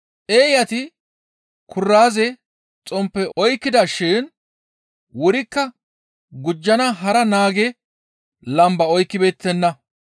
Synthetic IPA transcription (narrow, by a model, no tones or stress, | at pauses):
ʔeːjɐt̪ɪ | kʰʊrːaːzɛ | t͡sʼɔmpːɛʔɔjkːɪd̪ɐʃɪn | wɔɾɪkːɐ | ɡʊd͡ʒːɐnɐɦɐɾɐnaːɡɛ | lɐmbɐɔjkːɪbeːt̪ːɛnːɐ